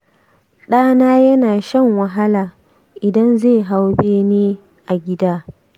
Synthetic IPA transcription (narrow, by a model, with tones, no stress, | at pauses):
ɗaː˦naː˦jɐ˦naː˨ʃɐ˦ŋwɐ˨ɦa˦laː˨ | ʔɪ˨dɐ˦nzeː˦˨ɦa˦wbeː˦neː˦ | ʔa˨ɡʲɪ˦daː˦